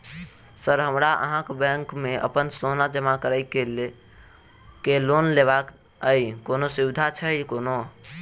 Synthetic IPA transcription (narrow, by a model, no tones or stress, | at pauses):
səɾɦəmɾaʔə̰ɦãkbɛ̃ŋkmeə̰pənsonad͡ʒəmakəɾəjke | kelonleβak | əjkonosiwɪd̪ʱat͡ʃʰəjkono